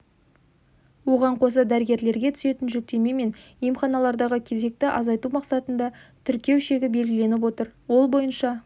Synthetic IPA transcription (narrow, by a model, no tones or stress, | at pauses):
wo̞ʁɑɴqʰo̞s̬əd̪æɾəɡʲe̞ɾle̞ɾɡʲe̞t̪ʰʏ̥se̞t̪ɪnʒɵk̚t̪e̞me̞me̞njemχɑnɑlˠɑɾd̪ɑʁəkʲʰe̞ze̞k̚t̪ɪʔɑzɑjt̪umɑqsɑt̪ənd̪ɑt̪ʰʏɾkʲe̞wʃe̞ɡʲɪbe̞lɡʲɪle̞nɪp̬wo̞t̪əɾwo̞lˠbo̞jənʃɑ